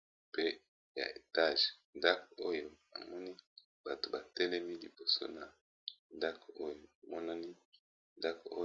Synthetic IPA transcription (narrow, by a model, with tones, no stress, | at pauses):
pe˦ | ja̰˨e˨ta˦˨ʒnda˦ko˦jo˦ | a̰˨mɔ˦ni˦ | b̥a˨to˨ba˨tɛ˦lɛ˦mi˦li˨bo˨so̰˦na˨ | nda˦ko˦jo˦a˨mɔ˦na˦ni˦ | nda˦ko˦